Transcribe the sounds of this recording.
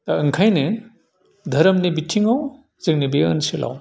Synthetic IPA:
taɯŋkʰajne | dʱɐɾɐmnibitʰiŋaw | zeŋ̚nibiɐ̰nsilʔa̰w

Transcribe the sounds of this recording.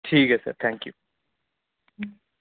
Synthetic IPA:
ʈʰiːkɐsɐ̰ɾt̪ʰæ̃ŋkju

